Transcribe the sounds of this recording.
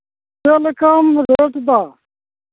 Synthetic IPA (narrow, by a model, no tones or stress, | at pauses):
peːlekaːmɾeːʈd̪aː